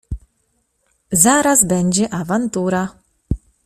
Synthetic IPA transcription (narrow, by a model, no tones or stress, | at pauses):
zaɾazbɛɲd͡ʑɛʔavant̪uɾa